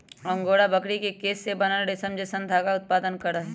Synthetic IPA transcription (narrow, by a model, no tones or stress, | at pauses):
ɐ̃ŋɡoːɽabɐkɽikekeːsːebɐnaɖesəmd͡ʒesə̃nd̪ʱaːɡaʊt̪̚paːd̪ənkɐɾəɦɛ